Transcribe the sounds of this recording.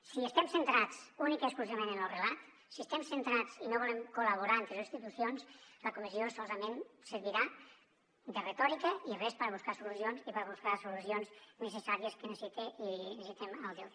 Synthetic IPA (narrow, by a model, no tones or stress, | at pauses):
siest̪ɛmsent̪ɾat͡sunikekskluziβamẽnənəlrelat̪ | siəst̪emsent̪ɾat͡sinoβɔlemkuləβuɾant̪ɾezinst̪it̪usjonsləkumiziosɔlˠzəmensəɾβiɾa | d̪əret̪ɔɾikəiərespəɾβuskasulusionzipəɾβuskasulusionznəsəsaɾiəskənəsit̪einesit̪emalˠd̪u